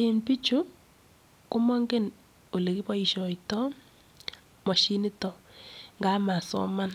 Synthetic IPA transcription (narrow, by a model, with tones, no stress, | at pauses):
ɪ˨npi˦t͡ʃu˦ | kʊ˦mɔ˦ŋɡe˦n | o˨le˨kɪ˦pɔ˦i˦˨ʃɔ˨ɪ˨tɔ˦ | mɔ˨ʃi˦nɪ˦tɔ˨ŋɡa˦ma˨sɔ̰˦ma˦n